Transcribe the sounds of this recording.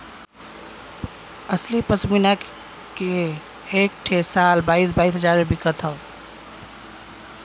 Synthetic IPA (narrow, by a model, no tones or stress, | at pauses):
əslipəsminak | keː | k̚ʈʰesalbaisbaisɦəd͡ʒaɾmebikət̪ʰɦəl